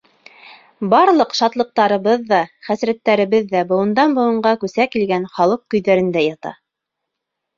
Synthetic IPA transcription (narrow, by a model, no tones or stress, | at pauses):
bɑɾlˠɤqʃɑt̪lˠɤ̆q̚t̪ɑɾɤ̆βɤðːɑχæsɾæt̪ːæɾɘ̆βɘðːæbŏwɤ̆nd̪ɑnbŏwɤ̆ɴɢɑkʉsækilɡænχɑlˠɤq̚kɵ̆jðæɾɘ̆nd̪æjɑt̪ɑ̰